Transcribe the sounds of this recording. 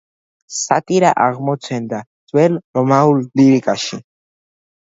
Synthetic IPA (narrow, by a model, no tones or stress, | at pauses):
sat̪ʼiɾaʔaɣmot͡sʰend̪at͡s̪ʼwɛlrɔmaulːiɾikʼaʃi